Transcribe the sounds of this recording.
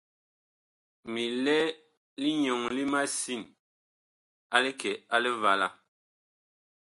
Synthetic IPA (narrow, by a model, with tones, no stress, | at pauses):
mi˨lɛ˦ | li˦ɲɔ˨ŋli˦ma˦si˦˨n | a˦le˦kɛ˨a˦le˦va˨la˨